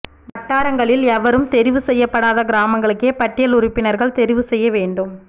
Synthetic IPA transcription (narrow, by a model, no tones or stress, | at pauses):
ʋɐʈːaːɾɐŋɡɐɭɪlɛʋɐɾɯmt̪ɛɾɪʋɯsɛjːɐpːɐɽaːðɐɡɪɾaːmɐŋɡɐɭɯkːeːpɐʈːɪjɐlʊɾʊpːɪnɐɾɣɐɭt̪ɛɾɪʋɯsɛjːɐʋeːɳɖɯm